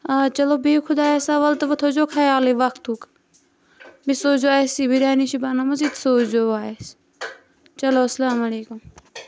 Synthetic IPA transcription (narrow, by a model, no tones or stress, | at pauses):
at͡ʃɐloːbikʰʊd̪aːesɐʋɐlt̪ʋɐt̪ʰoːd͡ʒoːkʰaːjaːliːʋɐkt̪ʰuk | bisoːd͡ʒoaːesiːbiɾaːniʃibaːnamɐziːt̪soːt͡ʃd͡ʒoːaːes | t͡ʃɐloːsɐlaːmɐleːkum